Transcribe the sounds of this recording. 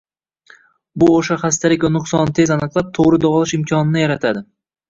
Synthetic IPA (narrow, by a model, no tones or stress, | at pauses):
bʊoʃaχast̪aɾɪkʲanʊqsɒnt̪ʰezanɨqlˠap̚t̪ʰoʁɾɪd̪ɒʁlˠɪʃɪmkʲʰɒnɪnɪjaɾat̪ʰad̪ɪ